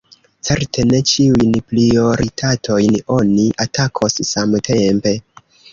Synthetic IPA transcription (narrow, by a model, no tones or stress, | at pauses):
t͡se̞ɾtʰe̞ne̞t͡ʃiujnpɾio̞ɾitʰatʰo̞jno̞niʔatakʰo̞ssamtʰe̞mpe̞